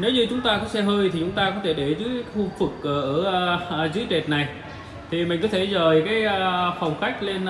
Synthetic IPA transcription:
ne˨˦wɲɨ˧t͡ɕʊ˨˦ŋ͡mt̪aː˧kɔ˨˦sɛ˧ɦəː˧jt̪ʰi˨˩t͡ɕʊ˨˦ŋ͡mt̪aː˧kɔ˨˦t̪ʰe˧˩ɗe˧˩zɨ˨˦jxu˧vɨ˨˩k̚ʔəː˧˩ʔəː˧˩˧zɨ˨˦jt͡ɕe˨˩t̚na˨˩j | t̪ʰi˨˩mï˨˩ŋ̟kɔ˨˦t̪ʰe˧˩zəː˨˩jkaː˨˦jə˧˩fə˨˩wŋ͡mxa˦˥jk̟̚le˧n

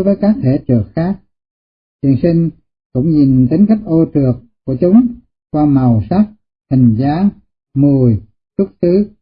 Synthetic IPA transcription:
vəː˨˦jkaː˦˥k̚t̪ʰe˧˩t͡ɕɨ˨˩ək̚xaː˦˥k̚ | t̪i˨˩əŋsï˧ŋ̟ | kʊ̰˧˥ŋ͡mzi˨˩nt̪i˨˦ŋ̟ka˦˥jk̟̚ʔo˧tɨ˨˩ək | ku˧˩ət͡ɕʊ˨˦ŋ͡m | kwaː˧ma˨˩wsa˦˥k̚ | hï˨˩ŋ̟zaː˨˦ | mu˨˩əj | sʊ˦˥t̚sɨ˨˦

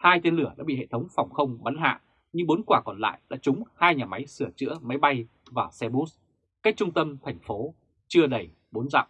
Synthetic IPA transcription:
haː˧jt̪e˧nlɨ˧˩ə˩ɗa̰ː˧˥ɓḭ˧˨hḛ˧˨t̪ʰə˨˦wŋ͡mfa˨˩wŋ͡mxə˧wŋ͡mɓa˨˦nɦa̰ː˧˨ | ɲɨ˧ŋɓo˨˦nkwaː˧˩kɔ˨˩nla̰ː˧˨jɗa̰ː˧˥t͡ɕʊ˨˦ŋ͡mhaː˧jɲaː˨˩ma˨˦jsɨ˧˩ət͡ɕɨ̰˧˥əma˨˦jɓa˧j | vaː˨˩sɛ˧ɓu˦˥s | ka˦˥k̚t͡ɕʊ˧ŋ͡mt̪ə˧mt̪ʰɛ˨˩jŋ̟fo˨˦ | t͡ɕɨ˧əɗə˧˩j | ɓo˨˦nza̰˧˨wʔ

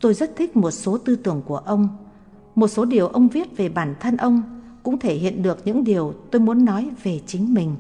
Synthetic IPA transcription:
t̪o˧jzə˦˥t̚t̪ʰï˦˥k̟̚mo˨˩t̚so˨˦t̪ɨ˧t̪ɨ˧˩əŋku˧˩əʔə˧wŋ͡m | mo˨˩t̚so˨˦ɗi˨˩əwʔə˧wŋ͡mvi˦˥ət̚ve˨˩ɓaː˧˩nt̪ʰə˧nʔə˧wŋ͡mkʊ̰˧˥ŋ͡mt̪ʰe˧˩ɦḭ˧˨ə˨nɗɨ˨˩ək̚ɲɨ̰˧˥ŋɗi˨˩əwt̪o˧jmu˨˦ənːɔ˨˦jve˨˩t͡ɕï˨˦ŋ̟mï˨˩ŋ̟

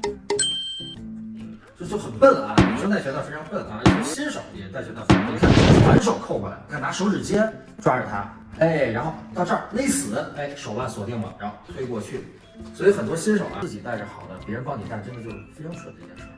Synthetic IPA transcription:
ʈ͡ʂɤ˥˧t͡ɕjo˥˩ʊxə˨˩npə˥˩nlə˩ɐ˨˩n˨˩ʂə˥nt͡s̬a˥˩t͡ɕɥd̪ə˥˩fe˥ɪʈ͡ʂʰɑ˧˥ŋpə˥˩nlɕi˥nʂo˨˩ʊt̪i˧˩ɻə˧˥na˥˩t͡ɕɥd̪ə˧˩fa˧˥nt̪ʰe˥˩kʰa˥˩˥fa̰˧˥nʂ̬o˨˩ʊkʰo˥˩ʊpa˨˩˧kʰa˥˩na˧˥ʂo˧˥ʊʈ͡ʂɻ̩˨˩t͡ɕjɛ˥n | ʈ͡ʂwa˥ʈ͡ʂə˨˩t̪ʰa̰˥ | e˥˩ɪɻa˧˥nxo˥˧ʊt̪ɑ˥˧ʊʈ͡ʂɤ˥˧˩le˥˩ɪsɹ̩˨˩˦e˥˩ɪʂo˨˩ʊla˥˩swɔ˨˩t̪i˥˩ŋwɑ̰˨˩ŋɻa˧˥nxo˥˧t̪ʰwe˥ɪkwɔ˥˧t͡ɕʰy˥˩ | swɔ˧˥i˥xə˨˩nt̪wɔ˥ɕi˥nʂo˨˩ʊʔɐ̰˧˥˩t͡ɕi˨˩t̪a˥˧ɪʈ͡ʂ̩˥˧˩xɑ˨˩ʊd̪ə˦pjɛ˧˥ɻə˧˥npɑ˥˩ŋni˨˩t̪a˥˩ʈ͡ʂə˥də˧t͡ɕjo˥˧ʊʂ̩˥˩fe˥ɪʈ͡ʂʰɑ˧˥ŋʂwə̰˨˩d̪ə˧˥ɛ̰˥˩˥

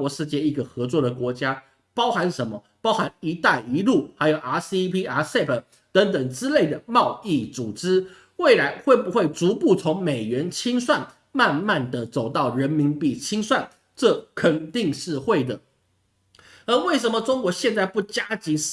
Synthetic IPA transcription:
wɔ˨˩ʂɻ̩˥˧t͡ɕjɛ˥˧i˧˥ɡə˨xɤ˧˥t͡swɔ˥˩d̪ə˩kwɔ˧˥t͡ɕja˦˥ | pɑ˥ʊxa˧˥nʂə˧˥nmə˧ | pɑ˥ʊxa˧˦ni˧˥t̪a˥˩i˧˥lu˥˩xa˧˥ɪjo˨˩ʊʔa˥˩si˥pʰi˥a˧˥sɛ˥˩pʰə˨˩ | t̪ə˧˥ŋt̪ə˨˩ŋʈ͡ʂɻ̩˦le˥˩ɪd̪ə˩mɑ˥˧ʊi˥˩t͡su˨˩ʈ͡ʂɻ̩˥ | we˥˩ɪla˧˥ɪxwe˥˩ɪbu˨˦xwe˥˩ɪt͡su˧˥pu˥˩t͡sʰʊ˧˥ŋme˨˩ɪɥɛ˧˦˥nt͡ɕʰi˥ŋswa˥˨n | ma˥˧nma˥˩nd̪ə˨t͡so˨˩ʊt̪ɑ˥˩ʊɻə˧˦˥nmi˧˥npi˥˩t͡ɕʰi˥ŋswa˥˨n | ʈ͡ʂɤ˥˩kʰə˨˩nt̪i˥˧ŋʂɻ̩˥˧xwe˥˩ɪd̪ə˩ | ə˧˥we˥˩ɪʂə˧˦nmə˧ʈ͡ʂʊ˥ŋkwɔ˧˥ɕjɛ˥˧nt͡sa˥˧ɪpu˥˩t͡ɕja˥t͡ɕi˧˥

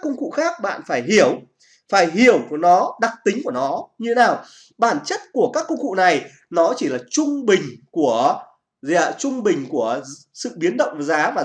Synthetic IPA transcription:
kːʊ˧ŋ͡mkṵ˧˨xaː˦˥k̚ɓa̰ː˧˨nfaː˧˩jɦi˧˩əw | faː˧˩jhi˧˩əwvnɔ˨˦ɗa˨˩k̚t̪ï˨˦ŋku˧˩ənɔ˨˦ɲɨ˧e˦naː˨˩w | ɓaː˧˩nt͡ɕə˦˥t̚ku˧˩əkaː˦˥kːʊ˧ŋ͡mkṵ˧˨na˨˩j | nɔ˨˦t͡ɕi˧˩laː˨˩t͡ɕʊ˧ŋ͡mɓï˨˩ŋ̟ku˧˩ə | zt͡ɕʊ˧ŋ͡mɓï˨˩ŋ̟ku˧˩ə | sɨ̰˧˨ɓi˨˦nɗə̰˧˨wŋ͡mzaː˨˦vaː˨˩

